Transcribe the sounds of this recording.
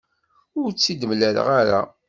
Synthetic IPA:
ʊɾt͡sːid̪mlæl̰ʁaɾa̰

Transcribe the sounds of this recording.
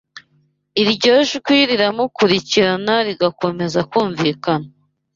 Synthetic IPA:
iɾɟoʒukwiɾiɾamukuɾiciɾanaɾiɡako̞me̞zakuːɱviːkana

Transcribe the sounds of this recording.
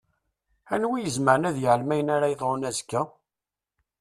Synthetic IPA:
ænwijəzməɾnæðjəʕəlmæjənaɾajəðˤʁonæzkːæ

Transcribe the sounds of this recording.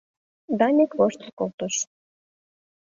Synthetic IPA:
d̪ɑnʲekvoʃt̪əkolt̪oʃ

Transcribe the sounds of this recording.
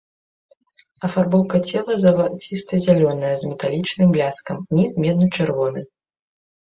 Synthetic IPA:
ɐfarbɔwkɐt͡sʲɛlˠɐzɐvat͡sʲist̪ɐzʲalʲɔnɐjɐzmʲɛt̪alʲit͡ʂnɨmblʲaskɐmnʲizmʲɛd̪̚nɨt͡ʂɨrvɔnɨ

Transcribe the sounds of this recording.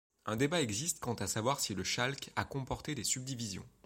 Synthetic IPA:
ɛ̃d̪ebaɛɡzist̪kɑ̃t̪asavwaʁsiləʃalka̰kɔ̃pɔʁt̪ed̪esyb̚d̪ivizjɔ̰̃

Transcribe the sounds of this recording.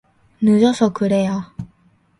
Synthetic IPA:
nɯd͡ʑʌsʰʌkɯɾe̞ja

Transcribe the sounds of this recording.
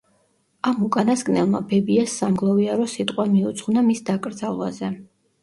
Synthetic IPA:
amukʼanasɡʼnɛlˠma̰bɛbiasːamɡlˠɔviaɾɔsit̪ʼqʼwamiut̪sʰʼχunamisd̪akʼɾd̪zalˠva̰zɛ

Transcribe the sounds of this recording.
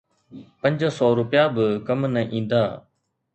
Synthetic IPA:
pɐ̃ɲd͡ʒsɔːɾʊpjaːbɪkɐmnɐʔĩːn̆d̪aː

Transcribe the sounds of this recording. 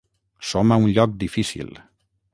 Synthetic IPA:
somaunʎɔk̚d̪ifisḭlˠ

